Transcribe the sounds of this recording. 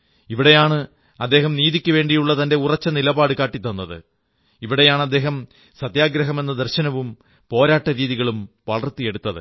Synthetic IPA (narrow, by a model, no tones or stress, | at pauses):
iʋiɽe̞jaːɳɨ | ɐd̪ːe̞ːɦɐmniːðikʲːuʋe̞ːɳɖijuɭːɐt̪ɐnde̞urɐt͡ɕːɐnilɐbaːɽɨkaːʈːit̪ːɐnːɐðɨ̰ | iʋiɽe̞jaːɳɐd̪ːe̞ːɦɐm | sɐt̪jaːɡɾɐɦɐme̞nːɐd̪ɐrɕɐnɐʋum | po̞ːɾaːʈːɐɾiːðiɣɐɭumʋɐɭɐrt̪ːije̞ɽut̪ːɐðɨ̰